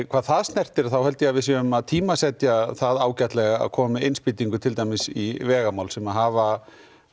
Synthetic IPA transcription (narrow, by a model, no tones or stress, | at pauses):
kʰvaːðθaðst̪nɛr̥t̪ɪɾθawhɛlt̪jɛavɪðs̬ʏmaðt̪ʰiːmasɛt̪jaθaðaːwcat̪lɛɣaa̰ðkʰɔːmɪejnspiːt̪iŋkʏt̪ʰɪlt̪aːjmɪsivɛːɣamaːwlsɛmaðɦaːva